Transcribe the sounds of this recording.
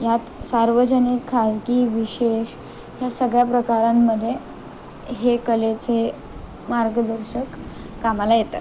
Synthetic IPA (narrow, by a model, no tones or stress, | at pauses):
jat̪saɾʋəd͡ʑənikʰːasɡiːʋiɕeɕ | jasəɡɭjapɾəkaɾamːəd̪ʱːje | ɦekəlet͡se | maɾɡəd̪əɾɕəkː | amalajet̪a̰